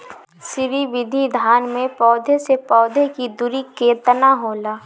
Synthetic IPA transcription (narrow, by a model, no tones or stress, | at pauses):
ʃɪɾiʋɪd̪ʱid̪ʱaːnmẽpɔːd̪ʱesepɔːd̪ʱekid̪uɾikeːt̪ənaɦoːlaː